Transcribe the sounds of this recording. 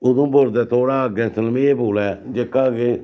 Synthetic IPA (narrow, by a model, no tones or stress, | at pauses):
ʊd̪õːboɾd̪ɛːt̪ʰoːɽaːəɡɛ̃ːsəlmeːboːlɛːd͡ʒekːaːɡeː